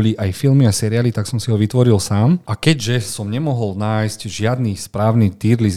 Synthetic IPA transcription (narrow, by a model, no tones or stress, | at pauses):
liajfilmiasɛɾiaːlit̪aksɔmsiɦɔʋit̪ʋɔɾilsaːmʔakɛɟʒɛsɔmɲɛmɔɦɔlnaːjscʒɪad̪nispɾaːʊnit̪iɾli